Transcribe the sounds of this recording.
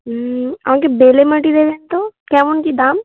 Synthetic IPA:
ɐ̰ʋãːkebeːleməʈid̪eːd̪eːnt̪okãːʋʊnkid̪aːm

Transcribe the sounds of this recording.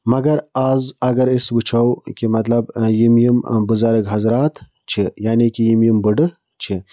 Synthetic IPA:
mɐɡɐɾaːzɐɡɐɾisbɨt͡ʃʰɐwkʲimɐt̪lɐbjimjimbɨzaɾɨkɦɐzɾaːt̪ | t͡ʃʰijaːnikʲijimjimbɨɖɨ | t͡ʃʰi

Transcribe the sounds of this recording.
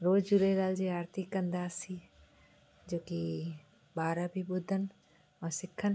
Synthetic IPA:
ɾoːd͡ʒd͡ʒuɾeɾaːld͡ʒiaːɾt̪ɪkːənd̪aːsi | d͡ʒoːki | baːɾabʱibʊd̪ʱːən | ɔːɾsɪkʰːən

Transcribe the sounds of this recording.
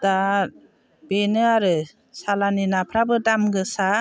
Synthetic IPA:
d̥aɾ | benɯaɾɯ | salaninapʰɾabɯdamɡɯsa

